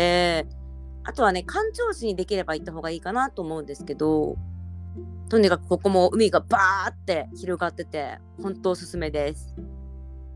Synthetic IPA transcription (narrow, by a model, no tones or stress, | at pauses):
eː | a̰t̪o̞β̞ane̞kʰãɲ̟t͡ɕo̞ːɕiɲ̟id̪e̞kʲiɾe̞bait̪ːaɦo̞ːɡaiːkanat̪oːmo̞ɯ̃nd̪e̞sɨ̥ke̞d̪o̞ | t̪o̞ɲ̟ikakɯ̟̥ko̞ko̞mo̞ɯ̟mʲiɡabaːt̪ːe̞çiɾo̞ɡat̪ːe̞t̪e̞̰ | hõ̞nt̪o̞ːsɨsɨme̞d̪e̞sɨ̥